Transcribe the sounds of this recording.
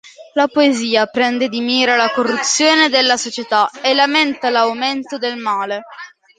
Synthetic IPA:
lapoeziːapɾɛnd̪ed̪imiːɾalakorːut̪sːjoːned̪elːasot͡ʃet̪aelːament̪alawment̪od̪elmaːle

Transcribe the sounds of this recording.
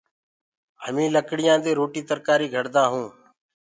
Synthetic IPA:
həmĩːləkɽɪjãːd̪eːɾoːʈiːt̪əɾkaːɾiːɡʱəɽd̪ãːɦũː

